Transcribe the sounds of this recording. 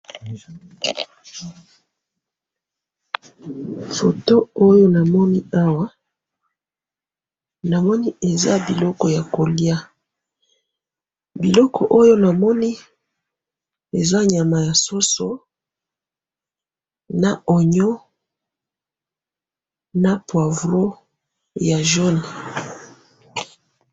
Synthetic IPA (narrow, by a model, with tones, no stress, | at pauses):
fo˨to˦o˦jo˦na˨mɔ˦ni˦a˦wa˦ | na˨mɔ˦ni˦e˨za˦bi˨lɔ˦kɔ˨ja˨ko˨li˦a˦ | bi˨lɔ˦kʰɔ̰˨ʔo˦jo˦na˨mɔ˦ni˦ | e˨za˦ɲa˨ma˨ja˨so˦so˦ | na˨ɔ˨ɲɔ˦ | na˨pwa˨vʁo˦ | ja˨ʒo˦ni˨